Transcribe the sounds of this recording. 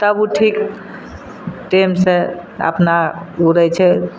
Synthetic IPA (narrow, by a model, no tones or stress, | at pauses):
t̪əbuʈʰik | ʈemseə̰pnauɾɛt͡ʃʰɛ